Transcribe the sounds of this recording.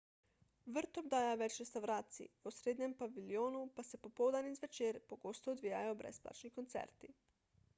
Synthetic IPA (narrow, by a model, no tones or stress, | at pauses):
ʋəɾt̪ɔmd̪aːjaʋɛt͡ʃɾest̪awɾaːt̪sḭʋosɾeːd̪ɲɛmpaʋiljoːnupasɛpopoːwd̪anizʋɛt͡ʃeːɾpoɡoːst̪ɔːd̪ʋiːjajobɾʔɛ̰spla̰ːt͡ʃnikont̪sɛ̰ɾt̪i